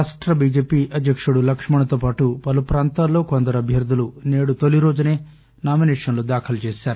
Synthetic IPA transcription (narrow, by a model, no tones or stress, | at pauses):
aːsʈɾɐbiːd͡ʒeːpiʔɐd̪ʱjɐkʂɐɽulɐkʂɐmɐɳɐt̪ɐpaːʈupɐlɐpɾaːnt̪aːloːkond̪ɐɾɐbʱjɐɾd̪ʱɐluneːɽut̪oliɾoːd͡ʒɐne | naːmineːʂɐnɐlud̪aːkʰɐlt͡ʃeːst̪aːɾ